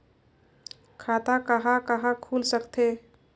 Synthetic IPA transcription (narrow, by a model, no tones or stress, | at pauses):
kʰat̪akəɦãkəɦãkʰulsəkt̪ʰe